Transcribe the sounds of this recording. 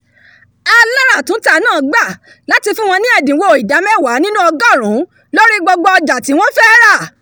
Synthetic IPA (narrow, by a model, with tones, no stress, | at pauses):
a˧la˦ɾa˦˨tũ˨˦ta˦˨nãː˦˨ɡ͡ba˦˨ | la˨˦ti˧fũ˦w̃ɔ̃˧nĩ˦ɛ˦˨dĩ˨wo˧˨i˨da˨˦mɛ˦˨wa˨˦nĩ˦nũ˦ɔ˧ɡa˦˨ɾ̃ũ˨˦ | lo˦ɾi˦ɡ͡bɔ˧ɡ͡bɔ˧ɔ˧d͡ʒa˨ti˨˦w̃ɔ̃˦fɛ˦ɾa˦˨